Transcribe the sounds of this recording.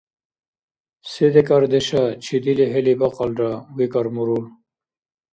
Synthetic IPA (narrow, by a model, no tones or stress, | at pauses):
sed̪ekaɾd̪eɕat͡ɕʰid̪iliɦelibaqalɾawikaɾmuɾul